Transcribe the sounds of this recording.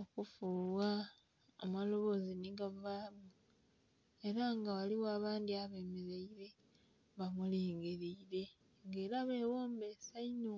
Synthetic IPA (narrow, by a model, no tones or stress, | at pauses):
okufuːβwa | amalo̞βo̞ziniɡavaːmu | e̞ɾaŋɡawaliwaβaːndiaβe̞ːmeɾeiɾe̞ | βamuliːŋɡeɾiːɾe̞ | ŋɡe̞ːɾaβe̞woːmbesaino